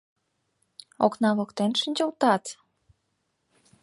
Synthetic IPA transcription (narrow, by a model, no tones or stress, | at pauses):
o̰knɑβɤ̆kt̪enʃənʲt͡ɕə̆lt̪ɑt̪